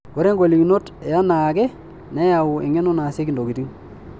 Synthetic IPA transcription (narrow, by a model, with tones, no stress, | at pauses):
kɔ˨ɾe˦ŋɡwo˨li˨ɡi˨no˦tja˦na˨kɛ˦ | nɛ˦ja˨wu˨e˨ŋɛ˦no˦na˨se˦ki˨ndo˨ɡi˨di˦ŋ